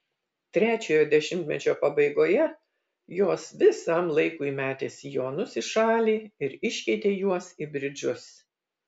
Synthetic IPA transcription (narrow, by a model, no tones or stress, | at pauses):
t̪ʲɾʲæːt͡ʃʲoːjoːd̪ʲɛʃʲɪmʲt̪ʲmʲɛt͡ʃʲoːpɐbɐɪɡoːjɛ | joːsʋʲɪsɐmlˠɐɪkuːimʲæːt̪ʲeːsʲɪjoːnʊsɪʃɑːlʲiːɪɾɪʃʲkʲɛɪt̪ʲeːjuɔsibʲɾʲɪd͡ʒʲʊs